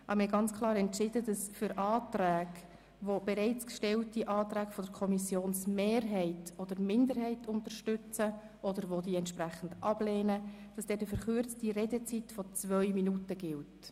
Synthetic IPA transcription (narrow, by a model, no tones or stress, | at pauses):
ʔɑ̰bmɪhɛɡɑnt͡skʰlˠɑːɾɛntt͡ʃɪdədɑsfʏɾʔɑːt̪ræːɡ | ʋob̥ɛɾɛɪt͡skʃtɛltiʔɑːtɾæːkfɔdəɾkʰɔmisjoːnsmeːɾɦɛɪtɔd̥̪əɾmɪndəɾɦɛɪtʰʊntəɾʃtʏt͡sə | ʔɔdəɾʋodiːɛntʃpræχən̩dɑb̥lɛːnəd̥ɑsd̥ɛtəfəɾχʏɾt͡stiɾedət͡sitfɔt͡svœʏminutəɡɪlt